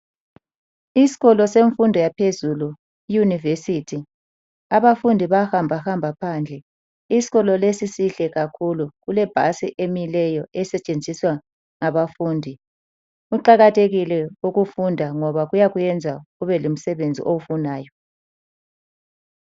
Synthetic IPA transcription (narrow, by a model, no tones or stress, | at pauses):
isi̥ɣɔlɔseɱfundʱɔjapʰezulu | ijunivesitʰi | aβafundʱiβahambʱahambʱapʰaːnd͡ɮʱɛ | isi̥ɣɔlɔlesisiɬɛɣakʰuluɣulɛb̥ʱa̰sḭʔemilɛjɔʔɛsɛt͡ʃʼend͡zʱiswa | ŋaβafuːndʱi | uǃaɣatʰeɣilɛuɣufundʱaŋɔβaɣujaɣujɛnd͡zʱaɣuβɛlum̩sɛβend͡zʱḭʔowufunaːjɔ